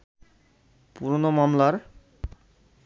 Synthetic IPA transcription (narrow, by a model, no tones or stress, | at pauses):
puɾnomamlaɾ